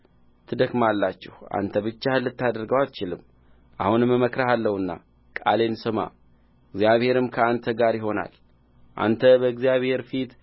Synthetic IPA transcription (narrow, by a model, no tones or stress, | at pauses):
t̪ʰɨd̪əɡmalːat͡ʃːɛha̰nt̪ʰəβɨt͡ʃːahɨlːɨt̪ːad̪əɾɡəwalt͡ʃɪlɨmː | ʔa̰hunɨmːəməkɾaɦalːəwɨnːa̰ | kʼa̰le̞nsɨma̰ | ɡzjaβhe̞ɾɨmkʰəant̪ʰəɡaɾjɪɦo̞na̰l | ʔa̰nt̪ʰəbəɨɡzjaβhe̞ɾfit̪